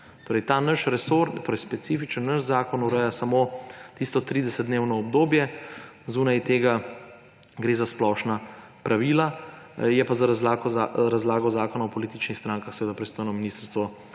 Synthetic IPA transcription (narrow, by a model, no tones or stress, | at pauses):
t̪oːɾɛjt̪aːnəʃɾɛsoɾnt̪oːɾɛjspɛt̪sifit͡ʃənːəʃzaːkɔnuɾəjasamot̪ist̪ɔt̪ɾiːd̪ɛsət̪̚d̪neːwnɔːbd̪oːbjɛ | zuːnajt̪eːɡa | ɡɾeːzasplɔʃna | pɾʔaʋiːla | jɛpazaɾazlakaɾazlaːɡɔzaːkɔnaɔpɔliːt̪it͡ʃnixst̪ɾãːŋkaxsɛʋeːd̪apɾist̪oːjnɔminist̪əɾst̪ʋɔ